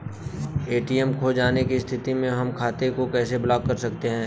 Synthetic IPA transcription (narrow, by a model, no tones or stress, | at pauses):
eːʈiɛmkʰoːd͡ʒaːnekist̪ʰɪt̪imẽɦɐmkʰaːt̪ekokɛːseblaːɡ̚kɐɾsɐkt̪eɦɛ̃ː